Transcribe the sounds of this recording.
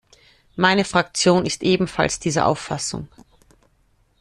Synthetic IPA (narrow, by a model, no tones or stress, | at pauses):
maɪnəfʁ̥akt͡sjoːnɪstʔeːbm̩fa̰lsd̥iːzə̰ʔa̰ʊfːasʊ̰ŋ